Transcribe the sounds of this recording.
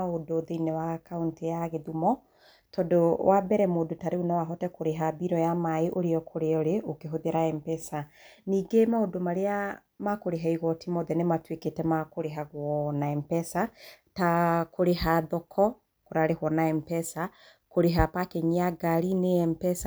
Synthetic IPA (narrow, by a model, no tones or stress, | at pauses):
odoðeinɛwakauntijaɣeðumɔ | tɔdowʔabɛɾɛmoːdotaɾeunɔwaɦɔtɛkoɾeɦabiɾɔjamaeʔoɾeɔkʰoɾeɔɾeʔokeɦoðeɾaɛmpɛsaniːɡemaodomaɾea | makoɾeɦaiɣɔtimɔðɛnematweketɛmakoɾeɦaɣwɔnaɛmpɛsatakoɾeɦaðɔkʰɔ | koɾaɾehwɔnaɛmpɛsa | koɾeɦapakɛɲiaɡaɾineɛmpɛsa